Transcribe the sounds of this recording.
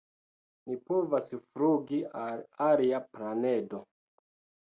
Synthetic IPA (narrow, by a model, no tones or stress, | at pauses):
nipovasfɾuɡialaɾiaplanedo